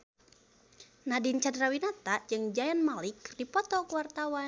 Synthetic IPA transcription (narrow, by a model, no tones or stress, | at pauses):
nadint͡ʃadɾawinat̪ad͡ʒɨŋd͡ʒajanmalikdipɔt̪ɔkuwart̪awan